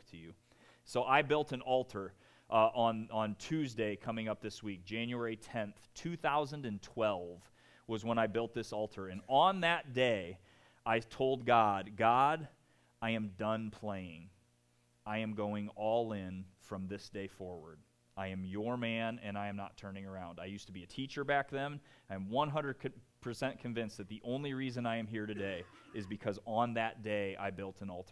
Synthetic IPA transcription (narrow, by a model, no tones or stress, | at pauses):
tʰɨjʉ | soʊʔaɪbɪlˠtɨ̃nɔlˠtʰə˞ | ʔʔə̃nə̃ntʰʉzdeɪkʰʌmɪ̃ŋʌp̚ðɪswik̚d̥ʒ̥æ̃njʉɛɹitʰɛ̃nθtʰʉθaʊzə̃ndɨ̃ntʰw̥ɛlˠv̥ | wʌzwə̃ɾ̃ñaɪbɪlˠt̪̚ðɪsɔlˠtʰə˞ɨ̃nə̃nðɨt̚d̥eɪ | ʔaɪtʰoʊlˠd̚ɡɑd̚ɡɑɾ | aɪɨ̃mdʌ̃npʰl̥eɪɪ̃ŋ | aɪɨ̃mɡoʊɪ̃ŋɔlˠɪ̃nfɹʌ̃mðɪsd̥eɪfɔɹwə̰˞d | aɪɨ̃mjə˞mæ̃nɨ̰̃naɪɨ̃mnə̰tʰɜ̃˞nɪ̃ŋə˞ãʊ̃ndaɪjʉstəbiɨtʰit͡ʃə˞bæk̚ðɨ̃mãɪɨ̃mwʌ̃nɦʌ̃ndɹəd̚kʰpʰə˞sɛ̃nkʰɨ̃ɱvɪ̃nsðɨt̪̚ðiʔõʊ̃nliɹizɨ̃naɪɨ̃mɦiɹɾɨdeɪ | ɨzbɨkʰʌzə̃n̩ðɨt̚d̥eɪʔa̰ɪbɪlˠtʰɨ̃nɔlˠtʰə˞